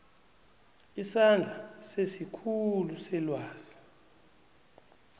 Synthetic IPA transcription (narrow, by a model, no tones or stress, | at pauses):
isand͡ɮʱasesikʰulusɛlwaːz̥i